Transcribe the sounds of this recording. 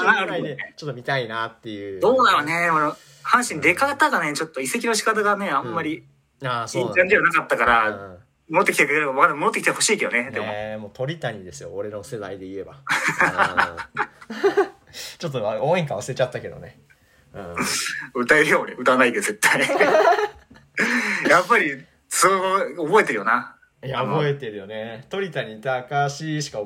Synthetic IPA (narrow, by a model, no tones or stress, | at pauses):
naanat͡ɕot̪ːomʲit̪ainat̪ːe̞jɯ̟ːd̪oːnaɾone̞mano | hãɰ̃ɕĩnd̪e̞kat̪aɡane̞t͡ɕo̞t̪ːo̞ise̞k̬ʲinoɕ̬i̥kat̪̬aɡane̞ãmːaɾʲi | asĩtãɲd͡ʑiβanakat̪ːakaɾa | moot̪ːekit̪ekmad̪amoot̪ːekit̪eho̞ɕiːke̞d̪one̞d̪e̞momoːt̪o̞ɾʲit̪aɲ̟id̪e̞sɨjoːɾe̞no̞se̞d̪a̰id̪e̞ie̞ba | t͡ɕo̞t̪̬ːoaõːeŋkaasɨɾe̞t͡ɕat̪ːake̞d̪o̞̰ne̞ | ɯ̟̃ːɯ̟t̪aeɾɯ̟jo̞ːneɯ̟t̪anaid̪eze̞t̪ːai | japːaɾʲi | sooɡoobo̞et̪e̞ɾɯ̟jo̞na | jaobo̞e̞t̪e̞ɾɯ̟jo̞ne̞t̪o̞ɾʲit̪aɲ̟it̪aːkaɕiɕi̥ka